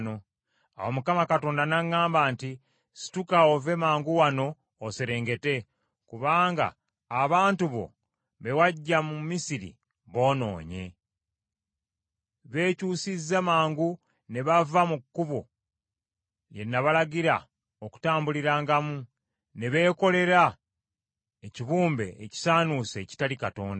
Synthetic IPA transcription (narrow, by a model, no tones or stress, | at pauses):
no̞ | a̰womukamakato̞ːndanaŋːaːmbaːnti | si̥tukaove̞maːŋɡuwano̞ː | seɾe̞ːŋɡe̞te̞ | kuβaːŋɡa̰ː | βaːntuβo̞̰ | βe̞waɟːamumisiɾḭ | βo̞ːno̞̰ːɲe̞̰ | βe̞ːcuːsizːamaːŋɡu | ne̞βavamukːuβo | je̞nːaβalaɡiɾa̰ | oku̥taːmbuliɾaːŋɡamu | ne̞βe̞ːko̞le̞ɾa | eciβuːmbe̞̰ːci̥saːnuse̞ːci̥talikato̞ːnda